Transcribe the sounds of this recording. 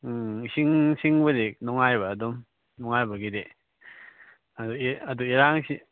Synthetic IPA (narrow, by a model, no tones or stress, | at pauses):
siŋsiŋbɐdek̚nɔŋajbaːdɔm | nɔŋajbaɡide | aduɐd̪uiɾaŋsi